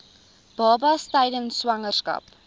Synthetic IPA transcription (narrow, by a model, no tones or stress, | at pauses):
b̥ɑːbɐstɛjdənswɐŋərskɐ̰p